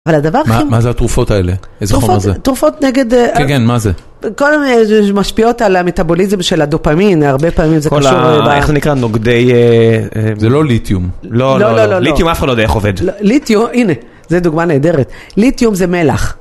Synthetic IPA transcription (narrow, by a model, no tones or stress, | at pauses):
avalad̪avaʁaimazeat̪ʁufot̪aeleezeʁuozet̪ːʁufo̞t̪neɡe̞d̪kekenmaze | kodemmaʃpio̞talame̞tabo̞lizemʃelad̪opamimaʁbe̞paːmimzekkolʃuʁebaḛχzenikʁanoɡdej | mzelolit̪jumloloololit̪jumafχadlojdaḛχoved̪lolitjumʔine | zed̪uɡmaneːde̞ʁet̪ | litjumzemelaχ